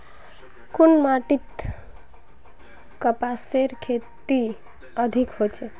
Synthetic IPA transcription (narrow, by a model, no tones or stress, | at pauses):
kunmaʈit̪ | kəpaseɾkʰet̪i | əd̪ʱikɦot͡ʃe